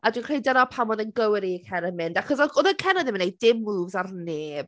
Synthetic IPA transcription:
adwikr̥ejdɛnɔpʰamɔðənɡəwɪɾikʰɛnəmɪndaχɔsɔɔðəkʰɛnɔðɪmnejdɪmːuːvzarneːb̥

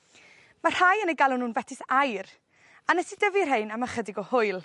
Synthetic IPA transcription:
mar̥hajənejɡalʊnuːnvɛtʰɪsajr | anɛsidəvir̥ɦejnaməχədɪɡɔhʊɨlˠ

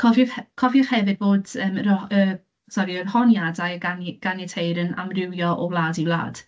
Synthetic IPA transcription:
kʰɔvɔkʰɔvjɔχhɛvɪd̚boːdəːmrə | sɔɾiərhɔnjadajəɡanɡ̥anɛtʰejɾəna̰mrɪwjɔʔɔlˠaːdiwlˠa̰ːd̥

